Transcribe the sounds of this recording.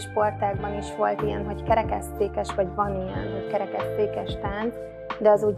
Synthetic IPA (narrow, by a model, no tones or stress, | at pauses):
ʃpo̞rt̪aːɡbɒniʃʋo̞lt̪ijɛnɦo̞ckɛɾɛkɛst̪eːkɛʃʋɒɟvɒnijɛ̰nɦo̞ckɛɾɛkɛst̪eːkɛʃt̪aːn | d̪ɛɒzuɟ